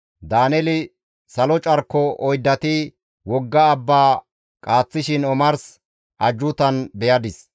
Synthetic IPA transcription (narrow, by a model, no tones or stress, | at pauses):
d̪aːnɛlɪ | sɐlɔt͡ʃʼɐɾkːɔɔjd̪ːɐt̪ɪ | wɔɡːɐːbːaː | kʼaːt͡sːɪʃɪnɔmɐɾs | ʔɐd͡ʒːʊt̪ɐnbɛjɐd̪ɪs